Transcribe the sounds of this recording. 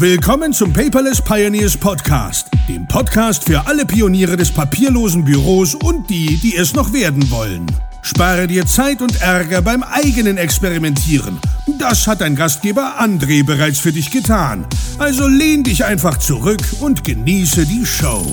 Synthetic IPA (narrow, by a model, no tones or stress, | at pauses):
vɪlkʰɔmənt͡sʊmpʰɛɪpɐlɛspʰaɪoniːɐspʰɔtkʰa̰ːstd̥ḛːmpʰɔtkʰaːstfyːɐʔaləpʰioniːʁ̞ədɛspʰapʰiːɐloːzn̩byʁoːsʊnt̚d̥iːd̥iːɛsnɔχv̥eːɐdn̩vɔ̰lə̰n | ʃpaːʁədiːɐt͡saɪtʊntʔɛʁɡɐbaɪmʔaɪɡənənɛkspɛʁimɛntʰiːʁə̰nʊtd̥ashat̚d̥aɪnɡast̚ɡ̥eːbɐʔandʁeːbəʁaɪt͡sfyːɐdɪçɡ̥ətʰaːnʔalzoleːndɪçʔaɪnfaχt͡suʁʏkʊntɡ̥əniːsədiːʃo̰ʊ